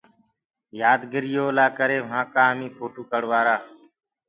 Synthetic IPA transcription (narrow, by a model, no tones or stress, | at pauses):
jaːd̪ɡɪɾɪjoːlaːkəɾeːʋɦãːkaːmiːpʰoːʈuːkəɽʋaːɾaː